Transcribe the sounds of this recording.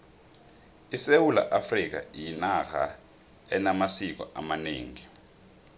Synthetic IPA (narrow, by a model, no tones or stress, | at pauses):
isewula̰ʔafrik̬a̰jinaxa̰ | ɛnamasik̬ɔʔamaneːŋi